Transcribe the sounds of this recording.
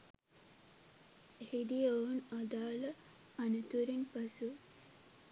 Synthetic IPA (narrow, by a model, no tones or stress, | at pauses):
ehid̪ijonad̪aːlə | ɐnət̪uɾinpɐsu